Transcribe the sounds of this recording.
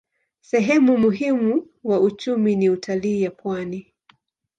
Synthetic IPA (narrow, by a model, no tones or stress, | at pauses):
sɛɦɛmumuɦimu | waut͡ʃuminiutʰaliːjapwani